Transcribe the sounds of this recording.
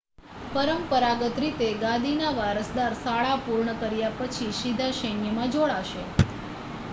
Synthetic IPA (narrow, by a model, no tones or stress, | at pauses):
pəɾəmpəɾaɡət̪ɾit̪eɡãd̪ʱinaʋaɾəsd̪aɾsaɭapuɾɳəkəɾjapət͡ʃʰiʃid̪ʱaʃənjəmãd͡ʒoɭaʃe